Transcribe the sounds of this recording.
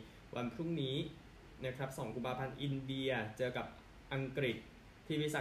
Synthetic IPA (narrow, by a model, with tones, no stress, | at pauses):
wʔa˧npʰɾu˥˩ŋniː˦˥ | na˦˥kʰɾa˦˥p̚sɔː˩˦ŋku˧mpʰaː˧pʰa˧nʔi˧ndi˧ɐt͡ɕɤː˧ka˨˩p̚ | ʔa˧ŋkɾi˨˩t̪̚ʰː | iː˥˩˦sa˨˩